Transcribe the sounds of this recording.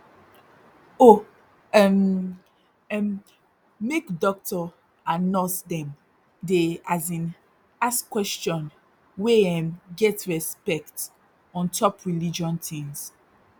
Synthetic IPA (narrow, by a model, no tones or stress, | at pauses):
o | ɛm | ɛm | mekdɔk̚tʰɔ | anɔ̃sdɛ̃m | deazĩn | askwɛst͡ʃɔ̃n | weɛ̃mɡɛtɹɛspɛkt | ɔ̃ntʰɔpʰɹilid͡ʒɔ̃ntʰĩŋs